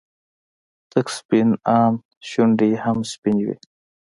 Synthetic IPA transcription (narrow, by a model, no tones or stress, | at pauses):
t̪əkspinaːm | ɕuɳɖihamspiniwḭ